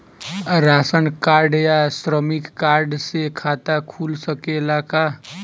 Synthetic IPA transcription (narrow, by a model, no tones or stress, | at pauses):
ɾasənkaɾɖjasɾəmikːaɾɖsekʰat̪akʰulsəkelaka